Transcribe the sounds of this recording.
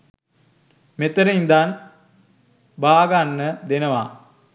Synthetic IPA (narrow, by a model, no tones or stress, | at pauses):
met̪əɾəind̪an | baːɡanːəd̪enəʋa̰